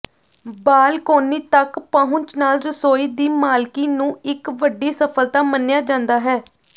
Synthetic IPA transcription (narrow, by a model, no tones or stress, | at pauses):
baːlkoːniːt̪əkpaːɦʊ̃nt͡ʃnaːlɾəsoːiːd̪iːmaːlkiːnũːɪkʋəɖːiːsəpʰəlt̪aːmənːɪjaːd͡ʒãːnd̪aːɦɛː